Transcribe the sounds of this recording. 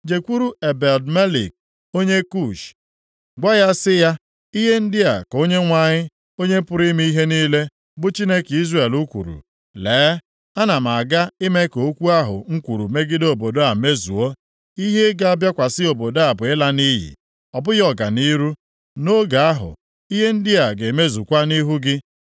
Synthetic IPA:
d͡ʒe˨kʷu˦ɾu˦e˨be˨ldme˦lḭ˨k̚ | o˦ɲe˦ku˦˨ʃ | ɡ͡bʷa˦ja˦sɪ˦ja˦ | i˦ɦe˦n̩˦dɪ˦a˨ko˦ɲe˦ŋʷa˨ɲɪ˦ | o˦ɲe˦pʊ˦ɾi˦m˦i˦i˦ɦe˦ni˦le˦ | bʊ˦t͡ʃi˦ne˦ki˦zre˨lu˦kʷṵ˨ɾṵ˨ | leː˨˦ | a˦na˨m˨a˨ɡa˦ɪ˦me˦ko˨˦kʷu˦a˦ɦʊ̰˨ŋ̩˦kʷu˨ɾṵ˨me˦ɡɪ˦do˨bo˨do˦a˨me˦zṵ˨o˦ | i˦ɦe˦ɡa˦a˦bja˦kʷa˨sɪ˦o˨bo˨do˦a˨bʊ˨ɪ˦la˦ni˦ɦḭ˨ | ɔ˨bʊ˦jɔ˨ɡa˨ni˦ɾu˦ | no˦ɡa˨a˦ɦʊ̰˨ | i˦ɦe˦n̩˦dɪ˦a˨ɡe˨me˦zu˨kʷa˦ni˦ɦu˦ɡɪ˦

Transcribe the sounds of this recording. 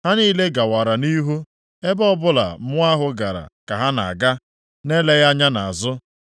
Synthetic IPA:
ha˦niː˦le˦ɡa˨wa˨ɾa˨ni˦ɦu˦ | e˦bɔ˦bʊ˦la̰˨m̩˦ʊ˦a˦ɦʊ˦ɡa˨ɾa̰˨ka˨ɦa˦na̰˨a˨ɡa˦ | ne˦le˦ja˦ɲa˦na˨a˨zʊ˦

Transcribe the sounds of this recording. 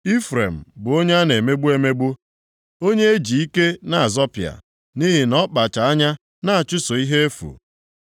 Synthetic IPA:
i˦fɾḛ˨m̩˨bʊ˨o˦ɲe˦a˦ne˨me˦ɡ͡bu˦e˦me˦ɡ͡bu˦ | o˦ɲe˦e˦d͡ʒi˨i˦ke˦na˨a˨zɔ˦pja̰˨ | ni˦ɦi˨nɔ˦k͡pa˨t͡ʃa˨a˦ɲa˦ | na˦a˨t͡ʃʊ˦so˨i˦ɦe˦e˦fṵ˨

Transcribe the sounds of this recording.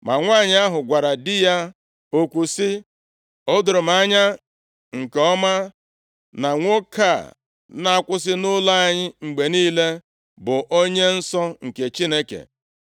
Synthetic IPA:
ma˨ŋʷa˦˨ɲɪ˦a˦ɦʊ˨ɡʷa˨ɾa˨dɪ˦ja˦ | o˨kʷu˨sɪ˦ | o˦dʊ˨ɾʊ˨m̩˦a˦ɲa˦ | ŋ̩˨ke˨ɔ˦ma˦ | na˨ŋʷo˦kʰa˦˨ | na˦a˦kʷʊ˦s̬ɪ˦nʊ˦la˦a˦ɲɪ˦ŋ͡m̩˨ɡ͡be˨niː˦le˦ | bʊ˨ʔo˦ɲe˦n̩˦sɔ˦ŋ̩˨ke˨t͡ʃi˦ne˦kḛ˨

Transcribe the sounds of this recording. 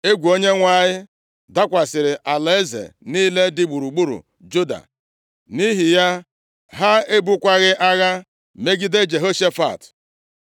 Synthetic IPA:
e˦ɡʷu˨o˦ɲe˦ŋʷa˦˨ɲɪ˦ | da˦kʷa˨sɪ˨ɾɪ˨ʔa˨le˨e˦zḛ˨niː˦le˦dɪ˦ɡ͡bu˨ɾu˨ɡ͡bu˦ɾṵ˨ | d͡ʒu˦da̰˨ | ni˦ɦi˨ja˦ | ɦa˦e˦bu˦kʷa˦ɣɪ˦ʔa˦ɣa˦ | me˦ɡɪ˦de˦d͡ʒe˨ɦo˦ʃe˦fa̰˨t

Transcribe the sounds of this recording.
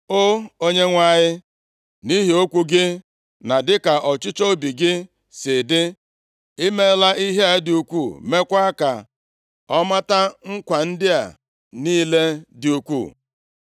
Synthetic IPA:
o˦o˦ɲe˦ŋʷa˦˨ɲɪ˦ | ni˦ɦi˨o˦kʷu˦ɡɪ˦ | na˨dɪ˦ka˨ʔɔ˨t͡ʃɪ˦t͡ʃo˦bi˨ɡɪ˦ | sɪ˨dɪ˦ | i˦me˦la˦ʔi˦ɦe˦a˨˦dɪ˨u˨kʷu˦˨me˦kʷa˦ka˨ | ɔ˦ma˦ta˦ŋ̩˦kʷa˨n̩˦dɪ˦a̰˨ | niː˦le˦dɪ˨u˦kʷṵ˦˨

